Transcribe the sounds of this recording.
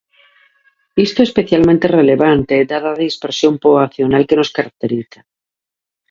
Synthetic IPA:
ist̪oespeθjalmẽnt̪ereleβant̪ed̪aðaðeispeɾsjo̞mpoaθjonalkenoskaɾak̚t̪eɾiθa

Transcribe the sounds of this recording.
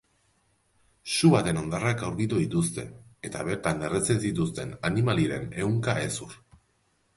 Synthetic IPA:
suβat̪e̞no̞nd̪arakawɾkit̪uðit̪ust̪e̞̰et̪a̰β̞e̞ɾt̪ane̞ret͡sensit̪ust̪e̞nanimaliɾe̞̰ne̞wŋkae̞sur

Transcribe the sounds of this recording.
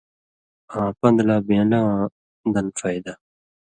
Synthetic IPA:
ãːpɐ̃nd̪laːbẽlãː | d̪ɐnfaid̪a

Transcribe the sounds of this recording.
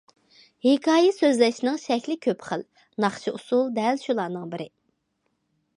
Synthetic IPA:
hekʰɑːjɛsøzlɛʃnɪŋʃɛkʲlɪkʲʰøpχəl | nɑχt͡ʃʰiusulˠd̪ɛlʃulˠɑːɾnɨŋbɪɾɪ

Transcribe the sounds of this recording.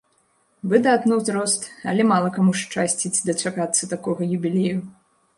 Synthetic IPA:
bɨd̪at̪nuwzʲɾɔst̪ɐ̰lʲɛmalˠɐkamuʂt͡ʂasʲt͡sʲit͡sʲd̪ɐt͡ʂakat̪sːɐt̪akɔɣɐjubʲilʲeju

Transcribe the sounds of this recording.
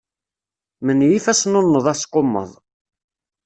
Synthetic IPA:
mənjifæsnonːəðˤɑsqːomːə̰ðˤ

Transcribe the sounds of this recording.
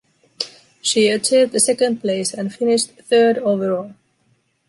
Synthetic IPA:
ʃiətʰivðɨsɛkə̃nd̚pʰl̥eɪsɨ̃nfɪnɪʃtθɜ˞doʊvə˞ɔlˠ

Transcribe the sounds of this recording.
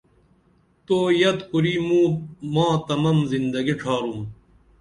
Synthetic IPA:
t̪oːjɐt̪kuɾiːmũːmãːt̪ɐmɐmzind̪ɐɡiʈ͡ʂʰaːɾum

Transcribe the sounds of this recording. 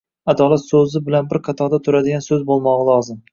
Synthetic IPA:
ad̪ɒlat̪sɵzɪbɪlanbɪɾqʰɑt̪ʰɒɾd̪at̪ʰʊɾad̪ɪɡʲansɵzbolˠmɒʁɑlˠɒzɪm

